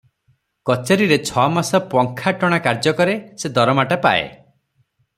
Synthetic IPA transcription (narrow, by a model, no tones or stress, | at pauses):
kɔt͡ʃeɾiɾet͡ʃʰɔmasɔpɔŋkʰaʈɔɽ̃akaɾd͡ʒɔkɔɾesed̪ɔɾɔmaʈapa̰ḛ